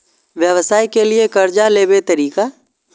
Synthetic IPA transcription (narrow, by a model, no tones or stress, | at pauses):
ʋjəʋsaːikeliekɐɾd͡ʒaleːbet̪əɾiːka